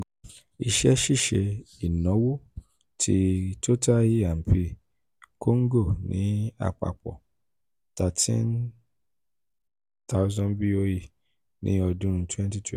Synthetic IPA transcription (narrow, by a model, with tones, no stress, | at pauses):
i˧ʃɛ˦ʃi˦˨ʃɛ˨˧i˨nɔ̃˨˦wo˦ | tʰi˦to˦ta˦ji˦a˨m̩˨pi˧ | kʰo˦ŋ̩˦ɡo˦˨nḭ̃˨˦a̰˨k͡pa̰˨k͡pɔ̰˨ | ta˨tʰḭ̃˦n | ta˦ʊ˦zɔ̃˦nbi˦o˦ji˦˨ | nḭ̃˨˦ɔ˧dũ˦ɾũ˧˦tʰwɛ̃˦nti˦tʰ